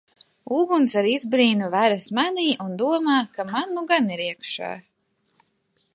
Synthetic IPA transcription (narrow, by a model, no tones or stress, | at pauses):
uːɡunsaɾizbɾiːnuvæɾasmaniːʔund̪uɔmaːkamanːuɡaniɾiɛkʃa̰ːj